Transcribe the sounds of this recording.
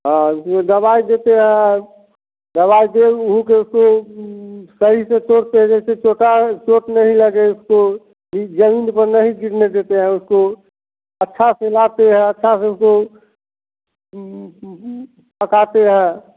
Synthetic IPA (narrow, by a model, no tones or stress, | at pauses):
ɦãʊsmẽd̪əbaid̪et̪eɦɛ̃ | d̪əβaid̪eʊɦukeʊsko | səɦisetoːɽt̪eɦɛ̃d͡ʒɛset͡ʃoʈat͡ʃoːʈnəɦĩləɡeʊsko | id͡ʒəmiːnpəɾnəɦĩɡiʈned̪eːt̪eɦɛ̃ʊsko | ətːʃʰaselat̪eɦɛ̃ətːʃʰaseʊsko | pəkat̪eɦɛ̃